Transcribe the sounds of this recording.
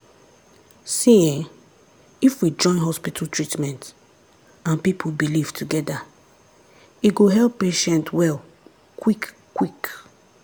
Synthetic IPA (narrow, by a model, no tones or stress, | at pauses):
sĩ | ifwid͡ʒɔ̃ɪ̃nɦɔspitʰaltʰɹitmɛ̃nt | ãnpipʰobiliv̥tʰuɡɛda | iɡoɦɛlpːeʃɛ̃ntwɛl | kwik | kːwik